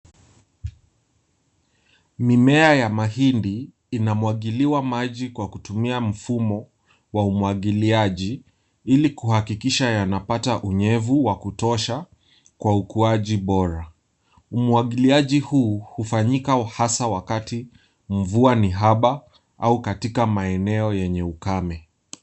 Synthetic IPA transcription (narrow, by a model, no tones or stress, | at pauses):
mimɛajamahindiː | namwaɠiliwamaʄikwakutumiam̩fumɔ | waumuwaɠiliaʄi | ilikuhakikiʃajanapataʔuɲɛvuwakutɔʃa | kwaukuaʄiɓɔɾa | umwaɠiliaʄihuːhufaɲikahasawakati | m̩vuaniɦaɓa | aukatikamaɛnɛɔjɛɲɛukamɛ